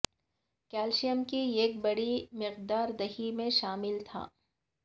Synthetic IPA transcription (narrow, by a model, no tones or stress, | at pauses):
kɛːlʃijəmkieːk̚bɐɽimɪqd̪aːɾd̪ɐɦimẽʃaːmɪlt̪ʰa̰ː